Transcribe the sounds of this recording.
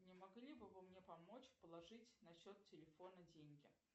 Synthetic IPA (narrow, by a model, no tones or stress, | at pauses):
nʲɪmɐɡlʲibɨvɨmnʲepɐmo̞t͡ɕpəlˠɐʐɨtʲnɐɕːo̞t̪tʲɪlʲɪfonədʲenʲɡʲɪ